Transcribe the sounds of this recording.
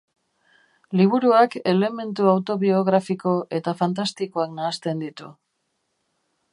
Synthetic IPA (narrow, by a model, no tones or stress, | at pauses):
liβ̞uɾuake̞le̞me̞nt̪uawt̪o̞βio̞ɣɾafiko̞ʔe̞t̪afant̪ast̪ikoaknaːst̪e̞nd̪it̪ṵ